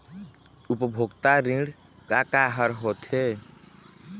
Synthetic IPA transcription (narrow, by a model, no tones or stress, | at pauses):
upəbʱoɡt̪aɾĩɽ | kakaɦəɾɦot̪ɦe